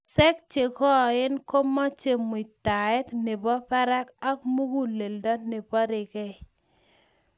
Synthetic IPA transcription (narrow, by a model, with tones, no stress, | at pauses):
sɛ˦k̚t͡ʃe˨kɔ˦˨ɪ˦nko˦mɔ˦t͡ʃe˦mu˨i˨ta˨ɛ˦t̪nɪ˨bɔ˦pa˦ɾa˦ka˦kmu˦ɡu˦le˨ldɔ˦nɪ˨bɔ˦ɾɪ˨kɛ˦˨